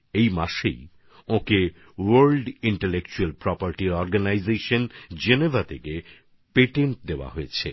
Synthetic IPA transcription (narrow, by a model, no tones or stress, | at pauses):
ejmaʃḛj | õke | waɾlɖiɳʈelek̚t͡ɕualpɾɔpaɾʈiɾɔɾɡanajzeʃond͡ʑenevʱat̪ʰeke | peʈeɳʈ̚d̪eoa̰ɦojet͡ɕʰe